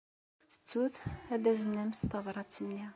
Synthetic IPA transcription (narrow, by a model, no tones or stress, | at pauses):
ʊɾθə̥t͡sːuθæd̪æzənːæmθtɑvɾˤɑt͡sːənːi